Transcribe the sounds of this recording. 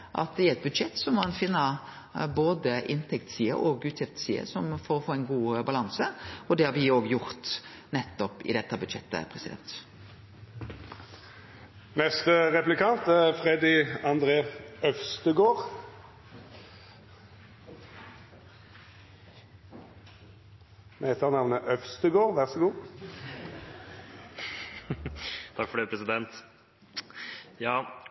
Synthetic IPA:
ʔɑ̰t̪̚d̪ɛɾɛt̪̚bʉd̪ʃɛt̪ːsɔmɑnfɪnːə | boːd̪əʔɪnt̪ʰɛkt̪siːə̰ʔɔɡʉːt̪ʰjɪft̪siːə̰sɔmfɔɾɔfoːɛɪnɡuːbɑlɑŋsəɔd̪ɛhɑɾʋɪoːɡjʊɾt̪ | nɛt̪ːɔpɪ̰d̪ɛt̪ːəbʉd̪ʃɛ̰t̪ːə̰pʰɾɛsɪd̪ɛ̰nt̪ | nɛst̪əʁɛplɪkɑnt̪æfʁɛd̪ɪɑnd̪ʁeːœfst̪əɡoːʁ | mheːt̪əɑʁnɑʋnəʔœfst̪əɡoːʁʋæʁsəɡuː | t̪ʰɑkfɔɖ̪ɛːpʰɾɛsɪd̪ɛnt̪ | jɑː

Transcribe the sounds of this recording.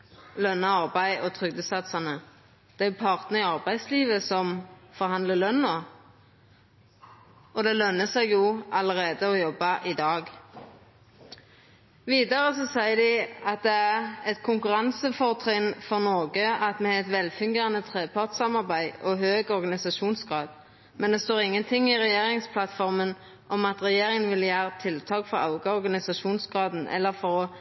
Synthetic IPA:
lœnːɑɑʁbæɪɔt̪ʰʁʏɡd̪əsɑt̪sɑnə | d̪̥ɛæʊpʰɑʁt̪nəɪɑʁbæɪd̪sliːʋəsɔmfɔʁhɑnd̪ləlœnːɔ | ɔd̪ɛlœnəsɛɪɡjuːʔɑləʁeːd̪əɔjɔbːɑʔɪd̪ɑːɡ | ʋiːd̪ɑʁəsɔsæɪəd̪ɪɑt̪̚d̪ɛæʁɛt̪kʰʊŋkʉʁɑnsəfɔʁt̪ʰʁɪnfɔʁnɔɡəɑt̪mɛɛt̪ʋɛlfʉŋɡeːənət̪ʰʁeːpʰɑʁt̪sɑmɑʁbæɪɔɦøːɡɔʁɡɑnɪsɑʃuːnsɡʁɑːd̪ | mɛnd̪ɛst̪oːʁɪŋːənt̪ʰɪŋːɪʁɛjeːʁɪŋspʰlɑt̪fɔʁmən | ʔɔmɑt̪ʁɛjeːʁɪŋənʋɪljæːʁət̪ʰɪlt̪ʰɑːkfɔʁɑ̰ʊɡəɔʁɡɑnɪsɑʃuːnsɡ̥ʁɑːd̪n̩ʔɛ̰lːəʁfɔʁɔ

